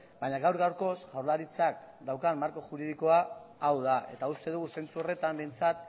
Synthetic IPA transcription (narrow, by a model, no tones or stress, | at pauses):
baɲaɣawɾɣawɾko̞sʝawɾlaɾit͡sak̚ | d̪awkammaɾko̞ʝuɾið̞iko̞aːwðaʔe̞̰t̪aust̪e̞ð̞uɣ̞use̞nt͡suo̞re̞t̪ambe̞jnt͡sat̪